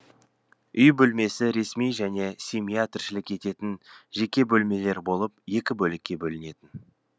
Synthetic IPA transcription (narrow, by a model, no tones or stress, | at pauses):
ʔʏjbɵlme̞sɪɾe̞smijʒæne̞sʲemijat̪ɪrʃɪlɪkʲe̞t̪e̞t̪ɪnʒe̞kʲe̞bɵlme̞le̞ɾbo̞lˠəp̚je̞kʲɪbɵlɪkʲːe̞bɵlɪne̞t̪ɪn